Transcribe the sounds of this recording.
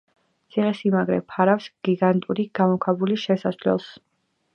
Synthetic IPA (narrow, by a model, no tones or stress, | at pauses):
t̪sʰiʁɛsimaɡɾɛ̰pʰaɾafsɡ̥iɡant̪ʼuɾiɡ̥amɔkʰabuliʃɛsaslɛ̰lˠs